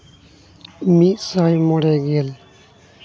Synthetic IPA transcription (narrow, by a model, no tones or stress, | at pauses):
miːsaːjmoːɽeːɡeːl